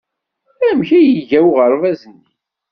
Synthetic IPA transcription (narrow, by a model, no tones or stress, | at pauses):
ɾæmçæjəʝæwʁəɾvæzənːi